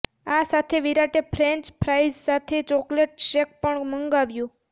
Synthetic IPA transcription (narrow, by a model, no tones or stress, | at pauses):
asat̪ʰeʋiɾaʈepʰɾẽɲt͡ʃpʰɾajzsat̪ʰet͡ʃɔkleʈ̚ʃek̚pəɳməŋɡaʋjũ